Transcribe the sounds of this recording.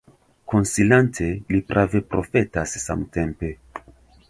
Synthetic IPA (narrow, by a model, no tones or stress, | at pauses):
ko̞nsilantʰe̞lipɾʔave̞pɾo̞fe̞tasːa̰mte̞mpe̞